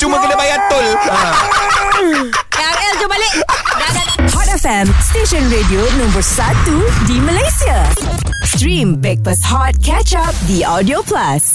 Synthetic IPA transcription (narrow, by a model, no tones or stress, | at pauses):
t͡ʃuməkədebajat̪ːola | a | eld͡ʒobalea | hɔtɛfɛ̃msʈeʃə̃nɾedionãmbəɾsat̪ːudiməlesia | sʈɾĩmbɛk̚pəshɔt̚kʰɛt͡ʃap̚d̪iʔɔdioplas